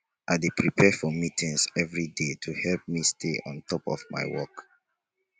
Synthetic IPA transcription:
ʔaɪdepʰɹipʰɛfɔmitʰĩŋsɛvɹidetʰuhɛlp̚mistʰḛɔ̃ntʰɔpɔvma̰ɪwɔk

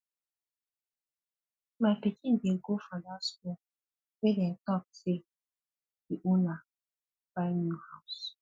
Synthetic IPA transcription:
mapikiŋ̩ɡeɡofadaskɔ | medɛn̩tɔk̚se | iʔuna | b̥anuhaʊs

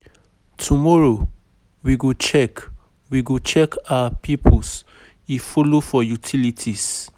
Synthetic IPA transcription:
tʰumɔɹo | wiɡot͡ʃɛk | wiɡot͡ʃɛkawapʰipʰɔs | ifolofɔjutʰilitʰis

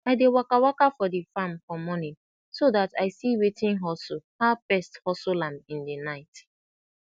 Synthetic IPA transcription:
aɪdewakawakafɔdefãmfɔmɔnɪ̃n | sodataɪsiwetɪ̃ŋɦɔsʊhapɛsthɔsʊlãmɪ̃ndenaɪt

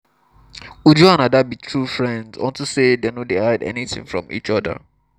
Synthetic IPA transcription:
wudjuanadabitʰɹufɹɛ̃ndzwɔ̰̃ntusedenodehaɪdɛ̰niθɪ̰̃ŋfɹɔ̰̃mḭt͡ʃɔdə̰

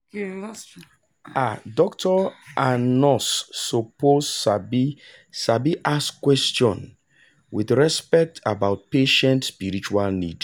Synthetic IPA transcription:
adɔktʰɔanɔsːɔposabi | sabiʔaskwɛstɔ̃n | wiθɹɛspɛk̚tʰabaʊt̚peʃɛ̃ntspiɾit͡ʃualnḭd

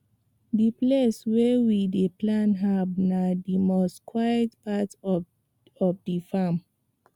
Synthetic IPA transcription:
dipleswewideplãnɦavnadimɔstkʰwajətpat | ɔfdifam

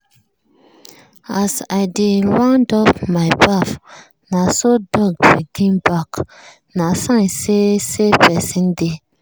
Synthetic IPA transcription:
azadɪdwãŋdɔfmaɪbaf | nasodɔɡ̚biɡĩŋbak | nasãŋsesepɛsĩnde

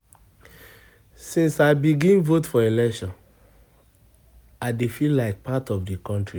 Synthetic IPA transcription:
sĩnsaɪbiɡĩnvotfɔelɛkʃɔ̃n | adefilːaɪk̚patɔvdikɔ̃ntɹi

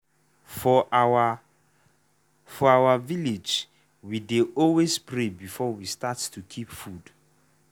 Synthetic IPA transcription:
fɔ | fɔawəviled͡ʒ | wideɔlwespʰɹebifɔwistattʰukʰipfud̥

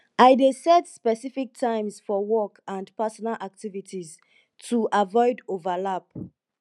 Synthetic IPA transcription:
aɪdesɛtspɛsifik̚tʰãɪ̃msfɔwɔkʰãndpasɔnalʔak̚tivitʰiz | tʰuʔavɔɪdovalap

